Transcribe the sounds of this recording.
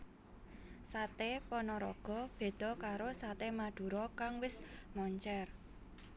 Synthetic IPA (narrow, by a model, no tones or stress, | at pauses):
sat̪epɔnɔɾɔ̰ɡ̥ɔ̤b̥e̤d̪̥ɔ̤kaɾosat̪emad̪̥ṳɾɔkaŋwɪsmɔɲt͡ʃɛr